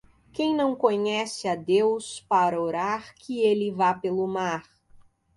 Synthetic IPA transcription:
kẽj̃nɐ̃w̃kõɲɛsɪɐd̪ewspaɾɐoɾaɾkʰɪelɪvapelʊmaɾ

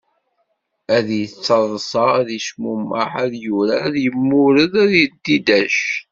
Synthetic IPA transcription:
æðjət͡sːəðˤsˤɑðiʃmumə̰ħæðjuɾæðjəmːʊɾəðæðjəd̪ːid̪æʃ

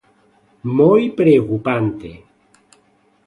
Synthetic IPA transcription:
mojpɾeokupant̪ḛ

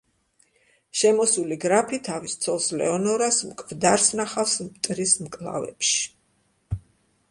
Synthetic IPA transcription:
ʃɛmɔsuliɡɾapʰit̪ʰavist̪sʰɔlˠslɛ̰ɔnɔɾasmkʼvd̪aɾsnaχafsmt̪ʼɾismkʼlˠa̰vɛ̰pʃi̥

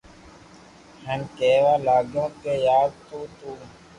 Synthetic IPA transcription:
hənkeːʋaːlaːɡjõːkeːjaːd̪̚t̪uːt̪uː

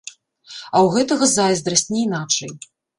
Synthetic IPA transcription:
ɐwɣɛt̪ɐɣɐzajzd̪ɾɐsʲtʲnʲɛinat͡ʂɐj

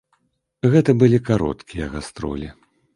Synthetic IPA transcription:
ɣɛt̪ɐbɨlʲikaɾɔ̰t̪kʲijɐɣast̪ɾɔ̰lʲi

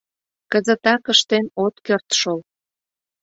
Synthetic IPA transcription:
kəzət̪ɑkəʃt̪enot̪kørt̪ʃol

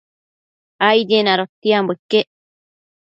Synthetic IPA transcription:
ajd̪enaɾot̪ːiambuikːe

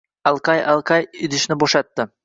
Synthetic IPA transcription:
ɑlˠqɑjɑlˠqɑjɪd̪ɪʃnɪboʃɑt̪ːɪ

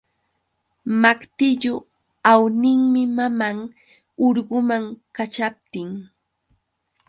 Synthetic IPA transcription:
makt̪ɪʎʊ | awnɪŋmɪmamaŋ | ʊɾɢʊmaŋkat͡ʃap̚t̪ɪŋ

